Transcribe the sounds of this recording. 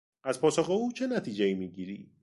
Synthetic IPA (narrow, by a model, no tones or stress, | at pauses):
ʔæzpʰɒːsoxeuːt͡ʃʰe̞næt̪ʰiːd͡ʒeiːmiːɟiːɾiː